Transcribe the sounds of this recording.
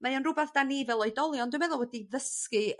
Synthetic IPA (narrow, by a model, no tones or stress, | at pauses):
majɔnrʊbaθd̥anivɛlˠɔɨdɔlˠjɔnduwmɛðɔwɛdiðəskɨ